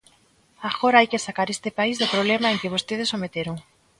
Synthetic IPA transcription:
aɣoɾaajkesakaɾest̪epaizðʊpɾoβ̞lemaeŋkɪβost̪eð̞ɪsomet̪eɾoŋ

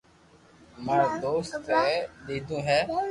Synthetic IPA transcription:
məɾd̪oːst̪eɗ̪eːd̪ũːɦɛː

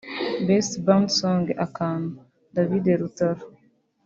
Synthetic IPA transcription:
bɛstbãndsɔ̃ŋɡʔakan | davideɾutaɾ

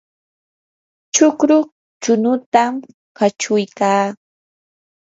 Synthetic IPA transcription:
t͡ʃʊkɾʊ | t͡ʃʊnʊt̪am | kat͡ʃʊjkaː

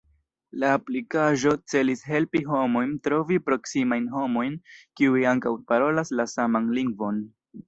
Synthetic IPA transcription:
laːplikaʒo̞t͡se̞lisɦe̞lpiɦo̞mo̞jntɾo̞vipɾo̞ksimajnɦo̞mo̞jnkiuiaŋkawpaɾo̞laslasamanliŋɡvo̞n

